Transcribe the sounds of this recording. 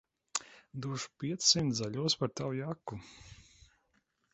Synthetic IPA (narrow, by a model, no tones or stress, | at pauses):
d̪uɔʃu̥pʲiɛt̪ssimt̪zaʎʲuɔspaɾt̪awjakːu